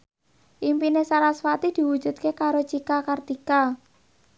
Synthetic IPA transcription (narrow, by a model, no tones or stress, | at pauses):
ʔimpinesaɾaswat̪id̪̥i̤wu̥ʒ̥ṳt̪̚kekaɾot͡ʃikakard̪̥ika